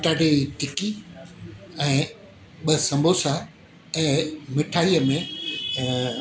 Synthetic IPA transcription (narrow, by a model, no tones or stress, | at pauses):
ʈaːɖeitɪki | ɛ̃ː | ɓɐsɐ̃mbʱosa | ɛ̃ːmɪʈʰaːiəmẽ